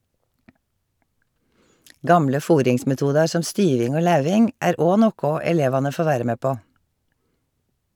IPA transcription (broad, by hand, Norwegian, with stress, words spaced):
ˈɡɑmlə ˈfuːɾɪŋsmɛˌtuːdɑɹ ˈsɔm ˈstyːʋɪŋ ˈoː ˈlɑʉʋɪŋ ˈæːɾ ˈoː ˈnoːkʊ ɛˈleːʋɑnə ˈfoː ˈʋæːɾə ˈmeː ˈpoː